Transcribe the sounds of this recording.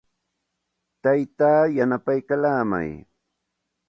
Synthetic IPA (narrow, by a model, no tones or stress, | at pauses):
t̪ajt̪aːjanapajkalaːma̰j